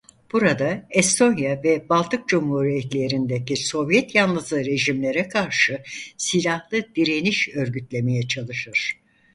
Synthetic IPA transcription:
b̥uɾad̪aɛst̪ʰo̞njavɛbalˠt̪ʰɯk̚d͡ʒumhuɾijɛt̪lʲe̞ɾind̪eciso̞vjɛt̪janlˠɯzɯɾe̞ʒimlʲe̞ɾɛkʰaɾʃɯsilʲahlˠɯd̪̥iɾe̞niʃø̞ɾɟyt̪lʲe̞me̞jɛt͡ʃʰalˠɯʃɯɾ̥

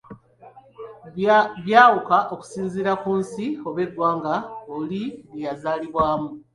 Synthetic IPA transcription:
βjaːwukaʔo̞ku̥siːnziɾakuːnsio̞βe̞dwaːŋɡaoliβijazaːliβwaːmu

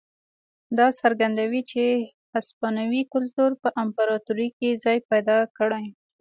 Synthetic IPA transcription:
d̪ɑsaɾɡand̪awit͡ʃe | aspɑnawikʊlt̪uɾpəʔampaɾɑt̪uɾikizɑjpajd̪ɑkəɽaj

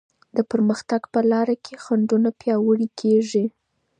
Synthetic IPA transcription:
d̪əpəɾməxt̪aɡpəlɑɾakʰexaɳɖunapjɑwəɽikʰeʐi

